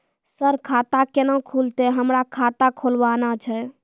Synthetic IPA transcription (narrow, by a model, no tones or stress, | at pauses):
səɾkʰat̪akenəkʰult̪eɦəmɾakʰat̪akʰolbanat͡ʃʰɛ